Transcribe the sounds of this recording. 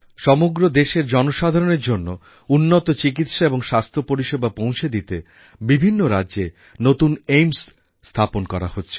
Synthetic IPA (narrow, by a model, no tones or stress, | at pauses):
ʃɔmoɡɾod̪eʃeɾd͡ʑɔnoʃad̪ʱaɾoneɾd͡ʑonːo | unːot̪ot͡ɕikit̪ʃaeboŋʃast̪ʰopoɾiʃebʱapow̃t͡ɕʰed̪it̪e | bibʱinːoɾadːʑe | not̪unejmsː | t̪ʰaponkɔɾa̰hotːɕʰe̥